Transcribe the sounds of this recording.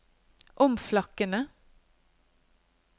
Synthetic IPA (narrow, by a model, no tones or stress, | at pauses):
ʔɔmflɑkənə